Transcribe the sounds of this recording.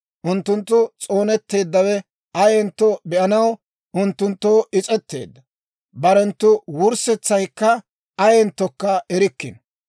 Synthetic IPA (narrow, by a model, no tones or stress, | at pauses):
ʔʊnt̪ːʊnt̪ːʊt͡sʼo̞ːnɛt̪ːe̞ːd̪ːɐwɛ | ʔɐjɛnt̪ːɔbɛʔɐnɐw | ʔʊnt̪ːʊnt̪ːo̞ːʔɪt͡sʼɛt̪ːe̞̰ːd̪ːɐ | bɐɾɛnt̪ːʊwʊɾsɛt͡sːɐjkːɐ | ʔɐjɛnt̪ːɔkːɐɛɾɪkːɪ̰n